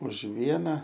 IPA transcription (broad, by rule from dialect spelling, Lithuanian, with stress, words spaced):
ʊʃ ˈʋʲiɛnɐ